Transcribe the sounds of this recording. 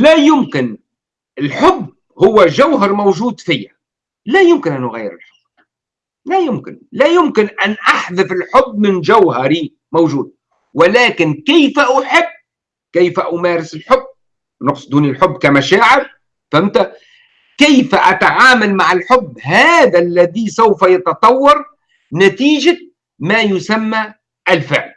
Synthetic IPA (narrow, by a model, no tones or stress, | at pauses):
læːjʊmkɪn | ɪlħʊbː | hʊwːæʒawɦɑɾˤmowʒuːd̪fiːa | læːjʊmkɪnʔænʔʊɣajːɪ̰ɾɪ̰lħʊb̥ː | læjʊmkɪnlæjʊmkɪnʔænʔaħðɪfɪlħʊbːmɪnʒawhɑɾi | mowʒuːd̪̚ | wɪlæːkɪnkɪjfaʔʊħɪbː | kajfaʔʊmaːɾɪsɪlħʊbː | nʊqsˤd̪uːnilħʊbːkamaʃaːʕɪɾ | famt̪a | kɪjfaʔat̪aʕaːmalmaʕɪlħʊbːhaːðalːaðisawfajɑt̪ɑt̪ˤɑwːɑɾˤ | nat̪iːʒa | maːjʊsamːa | ʔɪlfɪ̰ʕl